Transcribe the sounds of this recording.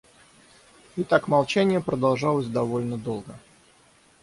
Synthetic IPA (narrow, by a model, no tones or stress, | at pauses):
ɪt̪akmɐlˠt͡ɕænʲɪjəpɾəd̪ɐlˠʐɑlˠəsʲd̪ɐvo̞lʲnəd̪o̞lˠɡə